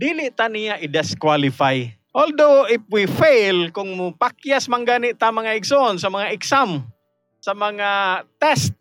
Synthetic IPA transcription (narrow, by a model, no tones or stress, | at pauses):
d̪ilɪʔt̪anijaʔɪd̪ɛskwalifaj | ʔold̪oɪf̚wifejlkʊŋmʊpakjasmaŋɡaniʔt̪amaŋaɪɡsoʔonsamaŋaɪksam | samaŋat̪ɛst̪̚